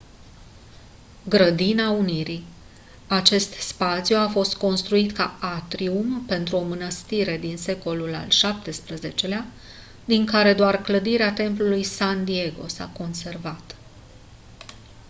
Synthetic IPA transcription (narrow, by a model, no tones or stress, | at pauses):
ɡɾəd̪inauniɾi | at͡ʃe̞st̪spat̪sijuafo̞st̪ko̞nst̪ɾuit̪kaat̪ɾiumpe̞nt̪ɾuo̞mɨnəst̪iɾe̞d̪inse̞ko̞lula̰lʃap̚t̪e̞spɾəze̞t͡ʃe̞lea | d̪iŋkaɾe̞d̪oarkləd̪iɾeat̪e̞mplulujsand̪ie̞ɡo̞̰sa̰ko̞nse̞rvat̪